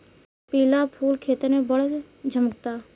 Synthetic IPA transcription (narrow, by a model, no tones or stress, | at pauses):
piːlapʰuːlkʰeːt̪əɾmẽbəɽ | d͡ʒʱəməkt̪aː